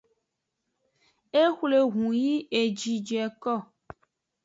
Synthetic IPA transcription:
e˦xʷle˨ɣũ˨ji˦e˨d͡ʒi˨d͡ʒɛ˨kɔ˦˨

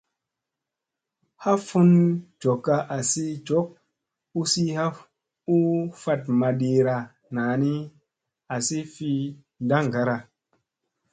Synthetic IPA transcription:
ha˦fu˦nd͡ʒo˨kːa˧ʔa˨si˦d͡ʒo˨˦k̚ | u˦si˦ha˦ | u˦fa˧t̚ma˨ɗi˧ɾa˧ | na˨˦ni˦ | a˨si˦fi˧ | da˦ŋ˨ɡa˦ɾa˧

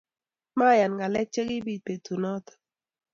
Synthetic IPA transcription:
ma˦˨ja˨nɡa˨lɛ˦t͡ʃe˦ɡi˦bi˨pe˨t̪ʰu˨nɔ˦t̪

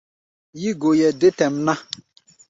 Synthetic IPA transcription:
ji˦ɡo˨jɛ˨dɪ˦tɛ˨m̩˦na˦

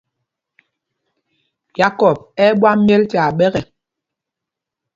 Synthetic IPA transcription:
ja˦kɔ˨b̚ɛ˦ɓwa˦mjɛ˦lta˨ɓɛ˦ɣɛ˨

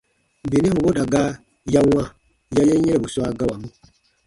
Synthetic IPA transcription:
bi˨ni˦hu˨bo˦da˨ɡa˦ | ja˦wã˦ | ja˦je˦ɲɛ˦e˨bu˨su˦a˦ɡa˦wa˨mĩ˦

